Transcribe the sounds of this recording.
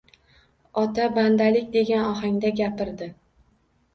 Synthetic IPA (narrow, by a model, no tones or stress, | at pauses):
ɒt̪ʰaband̪alɪkʲd̪e̞ɡʲanɒɦaŋd̪aɡʲapɪɾd̪ɪ